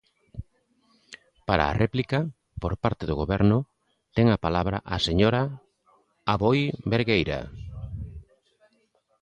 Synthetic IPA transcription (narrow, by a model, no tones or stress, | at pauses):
paɾa̰ːrʔɛplika | poɾpaɾt̪eðʊɣoβɛɾnʊ | t̪ɛŋapalaβɾaʔaseɲoɾa | aβojbeɾɣejɾa̰